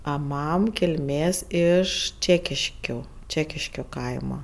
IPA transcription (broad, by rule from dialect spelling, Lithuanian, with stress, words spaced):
ɐ ˈmɐm kʲɪlʲˈmʲeːs ɪʃ ˈt͡ʃʲæːkʲɪʃʲkʲoː ˈt͡ʃʲæːkʲɪʃʲkʲoː ˈkɐɪmɐ